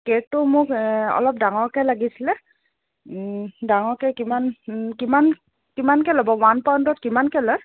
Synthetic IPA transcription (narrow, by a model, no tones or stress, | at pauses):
kek̚tʊmʊkɔ̰lɔp̚daŋɔɹkɛlaɡisilɛ | daŋɔɹkɛkimankiman | kimankɛlɔbɔwanpaw̃ntɔtkimankɛlɔj